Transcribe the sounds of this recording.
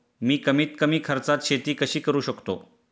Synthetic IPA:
miːkəmiːt̪kəmiːkʰəɾt͡sat̪ɕet̪iːkəɕiːkəɾuːɕəkt̪o̰

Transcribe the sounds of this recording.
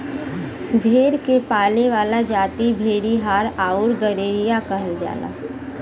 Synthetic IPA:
ɡ̪ʱeːɾkepaːleʋaːlad͡ʒaːt̪ibʱeːɾiɦaːɾaːʊɾɡəɾeːɾijakɐɦəld͡ʒa̰ːla̰ː

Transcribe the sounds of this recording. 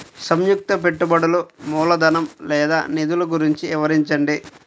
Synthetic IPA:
sɐmjuk̚t̪ɐp̬e̞ʈːubɐɽɐlumuːlɐd̪ɐnɐmlɛːd̪a̰ːnid̪uluɡuɾiɲt͡ʃiɪʋɐɾiɲt͡ʃɐɳɖi

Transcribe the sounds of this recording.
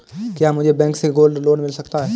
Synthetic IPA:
kjaːmʊd͡ʒʱebɛ̃ːkseɡoːlɖloːnmɪlsɐkt̪aɦɛː

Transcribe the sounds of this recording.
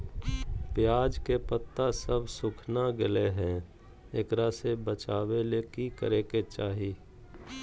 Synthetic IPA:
pjaːd͡ʒkepət̪ːasəbʱsʊkʰnaɡɪleɦɛ̃ | ekɾasebət͡ʃaːwelekikəɾeːket͡ʃaːɦiː

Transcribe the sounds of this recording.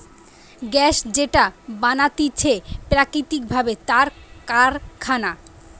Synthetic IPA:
ɡɛʃd͡ʑeʈabanat̪it͡ɕʰepɾakɾit̪ik̚bʱabet̪aɾkaɾkʰana

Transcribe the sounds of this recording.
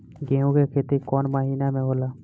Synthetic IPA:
ɡẽːɦũkekʰeːt̪ikɔːnməɦiːnamẽɦoːlaː

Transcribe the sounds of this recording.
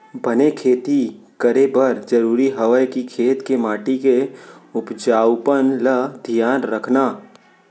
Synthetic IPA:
bɐnekʰeːt̪ikəɾebəɾd͡ʒəɾuːɾiɦɐʋəjkikʰeːt̪kemaːʈikeʊpd͡ʒaːwpənləd̪ʱijaːnɾəkʰnaː

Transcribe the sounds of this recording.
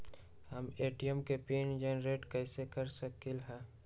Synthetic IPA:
həmeːʈiəmkepeːnd͡ʒeːnɾeːʈkɛɪsekəɾsəkɪlɦɛ̃ː

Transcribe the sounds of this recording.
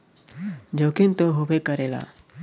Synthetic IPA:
d͡ʑokint̪oɦobekəɾela̰

